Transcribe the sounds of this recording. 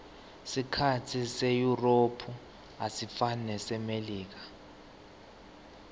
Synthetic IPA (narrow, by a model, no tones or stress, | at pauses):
sikʰatʰisejuropʰu | asifanɛsɛmeliːk̬ḁ